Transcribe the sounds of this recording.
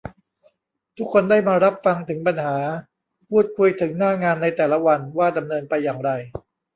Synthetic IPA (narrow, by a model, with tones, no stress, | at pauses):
t̪ʰu˦˥kʰːo˧ndaː˥˩jmaː˧ɾa˦˥p̚fa˧ŋt̪ʰɯ˩˦ŋpa˧nhaː˩˦ | pʰuː˥˩t̪̚kʰu˧jt̪ʰɯ˩˦ŋnaː˥˩ŋaː˧nːa˧jt̪ɛː˨˩la˦˥wa˧nwaː˥˩da˧mnɤː˧npa˧jːaː˨˩ŋɾa˧j